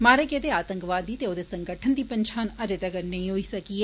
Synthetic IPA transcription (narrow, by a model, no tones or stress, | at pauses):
maːɾekeːd̪eaːt̪ə̃ŋkʋaːd̪iːt̪eoːd̪eːsəŋɡəʈʰənd̪iːpənʃʰaːnəɾet̪əɡəɾnəɦĩɦoːiːsəkiɛː